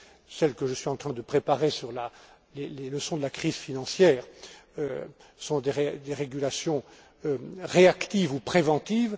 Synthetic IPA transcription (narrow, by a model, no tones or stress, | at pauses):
sɛlkəʒəsɥizɑ̃t̪χɛ̃d̪əpχepaʁesyʁla | leleləsɔ̃d̪əlakχizfinɑ̃sjɛːʁø | sɔ̃d̪eʁed̪eʁeɡʲylasjɔ̃ | øʁeakt̪ivupχevɑ̃t̪iv